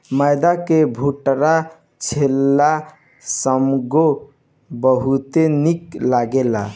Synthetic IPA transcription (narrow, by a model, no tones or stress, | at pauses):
məjd̪akebʱuʈɾa | t͡ʃʰelːa | səmɡo | bəɦut̪eniklaɡela̰